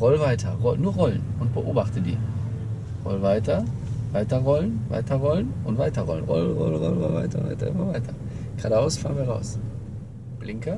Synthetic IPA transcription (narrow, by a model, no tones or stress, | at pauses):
ʁɔlvaɪtʰɐʁɔlnuːɐʁɔlənʊnt̚b̥əʔoːbaχtədḭː | ʁɔ̰lvaɪtʰɐ | vaɪtɐʁɔlənva̰ɪtʰɐʁɔlnʔʊntv̥aɪtɐʁɔ̰lənʁɔ̰lʁɔlʁɔ̰lnʁɔlva̰ɪtɐʊ̰ntva̰ɪtɐ̰ʔɪ̰mɐvaɪtʰɐ | ɡ̥ʁ̥a̰ːdəaʊsfa̰ːɐənviːɐʁaʊs | b̥lɪŋkə